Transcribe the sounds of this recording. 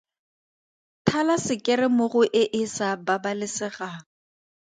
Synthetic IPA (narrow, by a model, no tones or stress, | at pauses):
tʰalasɪkʼɪrɪmʊɣʊʔɪʔɪsababalɪsɪɣaːŋ̩